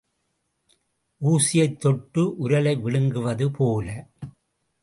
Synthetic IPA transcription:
ʔuːsɪjɐɪt̪ːɔʈːɯʔʊɾɐlɐɪʋɪɭɯŋɡɯʋɐðɯpʰoːlɐ

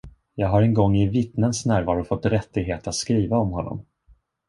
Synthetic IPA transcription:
jɑːɡɦaɾɛnɡɔŋːɪvɪt̪nənsnæːɾvɑːɾʊfɔt̪ːɾɛt̪ːɪɡɦeːt̪at̪skɾiːvaɔmɦɔnːɔ̰m

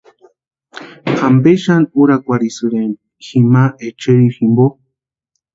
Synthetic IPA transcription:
ambeʃanuɾakʷaɾisɨɾen | ximaʔet͡ʃeɾiximbo

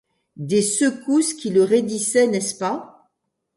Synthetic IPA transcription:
d̪esəkuskʲiləʁed̪isɛnɛspa

